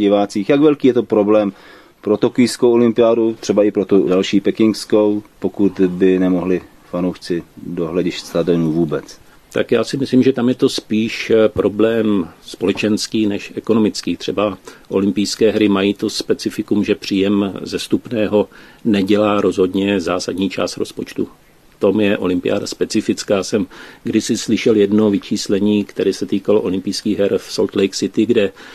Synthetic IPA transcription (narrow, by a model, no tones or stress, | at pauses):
ɟɪvaːt͡siːxjaɡvɛlkiːjɛt̪opɾoblɛːm | pɾot̪okɪjskowʔolɪmpɪaːdut̪r̥ɛbaɪpɾot̪udalʃiːpɛkɪŋkskowpokut̪bɪnɛmoɦlɪ | fanowʃt͡sɪdoɦlɛɟɪʃtst̪adɛnuːvuːbɛt͡s | t̪a̰kjaːsɪmɪslimʒɛt̪amjɛt̪ospiːʃpɾʔo̞blɛːmspo̞lɛt͡ʃɛnskiːnɛʃʔɛko̞no̞mɪt͡skiːt̪r̝̥ɛbaʔo̞̰lɪmpijskɛːɦɾɪmajiːt̪ospɛt͡sɪfɪkumʒɛpr̝̥iːjɛmzɛst̪upnɛːɦo̞nɛɟɛlaːɾo̞zɦo̞dɲɛzaːsadɲiːt͡ʃa̰ːst̪ɾo̞̰spo̞t͡ʃt̪ṵ | t̪omjɛʔo̞̰lɪmpɪja̰ːda̰spɛt͡sɪfɪt͡skaːsɛmɡdɪsɪslɪʃɛljɛdno̞vɪt͡ʃiːslɛɲiːkt̪ɛɾɛːsɛt̪iːkaloʔo̞lɪmpijskiːɣɦɛɾfsolt̪lɛjksɪt̪ɪɡdɛ